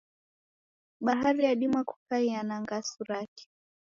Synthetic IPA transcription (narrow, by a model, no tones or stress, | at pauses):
ɓaɦaɾijaɗimaku̥kaianaŋɡasuɾaki̥